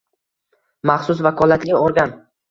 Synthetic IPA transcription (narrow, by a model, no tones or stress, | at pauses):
maχsʊsvakʰɒlˠat̪lʲɪɒɾɡʲan